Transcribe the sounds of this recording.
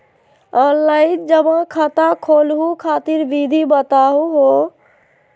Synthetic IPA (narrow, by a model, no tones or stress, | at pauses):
əlaɪt̚d͡ʒəbãkʰət̪akʰolɦukʰat̪iɾbid̪ʱibət̪aɦuɦo